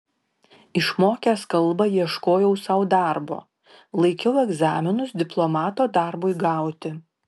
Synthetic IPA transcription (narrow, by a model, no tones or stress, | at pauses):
ɪʃmoːkʲæskɐlˠˑbɐjiɛʃkoːjɛʊsɐʊd̪ɑˑɾbo̰ː | lˠɐɪkʲɛʊɛɡzɑːmʲɪnʊsd̪ʲɪplˠɔmɑːt̪oːd̪ɑˑɾboɪɡɑˑʊt̪ʲɪ